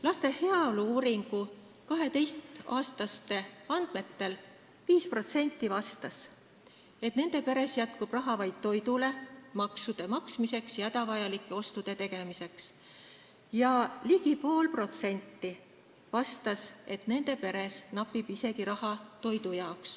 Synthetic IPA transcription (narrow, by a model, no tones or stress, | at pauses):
lɑst̪e̞heɑoluuːɾiŋɡ̥u | kɑɦe̞t̪e̞jst̪ɑːst̪ɑst̪e̞ɑnd̪̥me̞t̪ːe̞l | viːspro̞t̪se̞nʲt̪ːˑivɑst̪ɑs | e̞t̪ne̞nd̪̥e̞pe̞ɾe̞sjæt̪̚kub̥rɑɦɑvɑjd̪̥̚t̪o̞jd̪ule̞mɑksud̪̥e̞mɑksmise̞ksjɑed̪ɑvɑjɑlikːˑe̞o̞st̪ud̪̥e̞t̪e̞ɡ̥e̞mise̞ks | jɑliɡ̥ipo̞ːlpro̞t̪se̞nʲt̪ːi | vɑst̪ɑse̞t̪ne̞nd̪̥e̞pe̞ɾe̞snɑpːˑib̥ise̞ɡiɾɑhɑt̪o̞jd̪ujɑoks